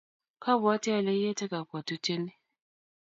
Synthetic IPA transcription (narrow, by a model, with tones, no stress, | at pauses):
ka˦bʊ˨a˦ti˦a˨le˦je˦te˦ka˨kʷa˨tu˦t͡ʃe˦ni˦